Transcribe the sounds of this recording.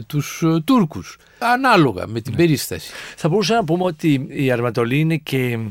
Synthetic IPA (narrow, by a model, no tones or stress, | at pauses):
t̪ust̪uɾkus | ɐnɐlo̞ɣɐ̰me̞t̪imbe̞ɾist̪ɐsi̥θɐbo̞ɾus̬ɐnɐp̬umeo̞t̪iːɐɾmɐt̪o̞liinece